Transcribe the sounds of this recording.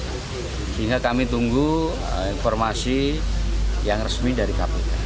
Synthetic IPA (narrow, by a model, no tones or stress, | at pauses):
siŋɡakamit̪uŋɡu | infɔrmasi | jaŋrəsmidaɾikapika̰